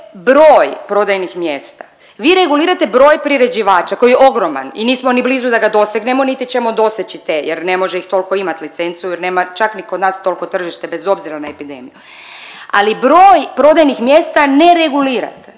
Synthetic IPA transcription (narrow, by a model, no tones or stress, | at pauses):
bɾoːjpɾo̞d̪ajnixmjeːst̪ḁ | ʋiːɾe̞ɡuliːɾat̪ebɾo̞ːjpɾiɾe̞d͡ʑiʋaːt͡ʃako̞jeʔo̞ɡɾo̞ma̰niniːsmo̞nibliːzud̪aɡad̪o̞seɡnemonit̪it͡ʃe̞mod̪o̞set͡ɕit̪ejeɾne̞mo̞ʒeixt̪o̞lko̞imat̪lit̪se̞nt̪sijujeɾne̞ːmat͡ʃakniko̞d̪naːst̪o̞lko̞t̪r̩ʒiʃt̪e̞be̞zo̞bziɾanaepid̪e̞̰miju | a̰libɾo̞ːjpɾo̞d̪ajnixmjest̪aneɾe̞ɡuliːɾa̰t̪